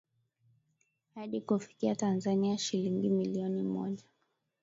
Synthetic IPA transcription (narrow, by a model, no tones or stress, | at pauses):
haɗikufi̥kiatanzaniaʃiliŋɡimiliɔnimɔ̰ʄa